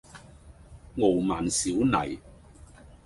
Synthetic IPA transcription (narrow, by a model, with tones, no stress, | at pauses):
ŋo˨˩wmaː˨˩nsiː˨˥wnɐ˨˩j